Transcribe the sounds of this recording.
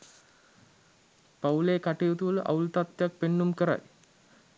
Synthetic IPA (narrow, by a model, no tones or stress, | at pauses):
pawleːkaʈijut̪uʋəlʔa̰ult̪at̪ːjak̚penːumkəɾa̰j